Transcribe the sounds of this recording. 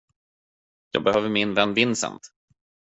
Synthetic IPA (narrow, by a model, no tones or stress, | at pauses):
jɑ̰ːɡ̚bɛhøːvəɾmɪnvɛnːvɪnːsɛ̰nt̪